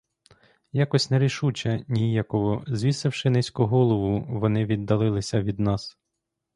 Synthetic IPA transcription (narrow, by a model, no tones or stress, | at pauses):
jɑkɔsʲnɛɾʲiʃut͡ʃɐnʲijakɔɦɔzʲʋʲisɪwʃɪnɛsʲkʊɦɔlˠɔʋʊʋɔnɪʋʲid̪ːɐlˠɪlˠɪsʲɐʋʲid̪nɑs